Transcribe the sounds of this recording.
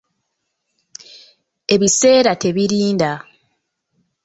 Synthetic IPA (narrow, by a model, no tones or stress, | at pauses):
e̞βise̞ːɾate̞βiɾiːnda